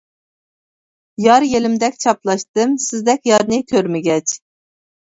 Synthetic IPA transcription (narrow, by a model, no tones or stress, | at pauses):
jɑɾjelɪmd̪ɛkʲt͡ʃʰɑplˠɑʃt̪ɨmsɪzd̪ɛkʲjɑɾnɨkʲʰøɾmɪɡʲɛt͡ʃ